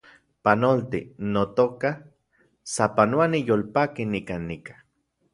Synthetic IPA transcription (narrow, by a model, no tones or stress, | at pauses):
panolt̪ḭnot̪oka | sapanoanijolpakinikanːikḁ